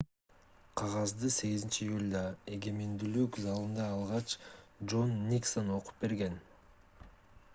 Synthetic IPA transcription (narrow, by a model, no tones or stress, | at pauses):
qʰɑʁɑzd̪ɯse̞ɡizint͡ʃiːjulʲd̪ɑe̞ɡe̞mend̪ylykzɑlˠɯnd̪ɑːlˠʁɑt͡ʃd͡ʒo̞nːʲiksono̞qu̥p̚be̞ɾɡe̞n